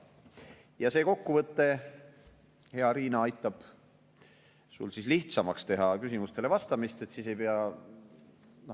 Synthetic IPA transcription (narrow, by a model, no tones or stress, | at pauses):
jɑse̞ːko̞kːuvɤt̪ːe̞ | heɑɾiːnɑɑjt̪ːˑɑb̥ | sṵlsisliht̪sɑmɑkst̪e̞ɦɑkysimust̪e̞le̞vɑst̪ɑmist̪e̞t̪sise̞jpeɑ | no